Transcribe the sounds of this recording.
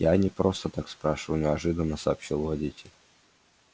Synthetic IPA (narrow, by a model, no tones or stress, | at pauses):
janʲɪpɾo̞st̪ət̪akspɾaʂɨvənʲɪɐʐɨd̪ənːəsɐːpɕilˠvɐdʲitʲɪlʲ